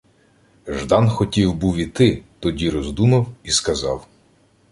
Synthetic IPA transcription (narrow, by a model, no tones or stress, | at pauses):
ʒd̪ɑnxɔtʲiwbuwʲit̪ɪt̪ɔdʲiɾɔzd̪unɐwiskɐzɑw